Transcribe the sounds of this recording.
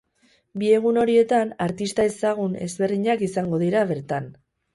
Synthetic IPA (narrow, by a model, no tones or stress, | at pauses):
bie̞ɣ̞uno̞ɾie̞t̪anaɾt̪ist̪ae̞saɣ̞une̞̰zβe̞rðiɲakisaŋɡo̞ðiɾaβ̞e̞ɾt̪an